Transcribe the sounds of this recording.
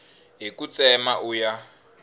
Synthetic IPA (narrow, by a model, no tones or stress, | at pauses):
ɦikut͡sʼɛmaʔuja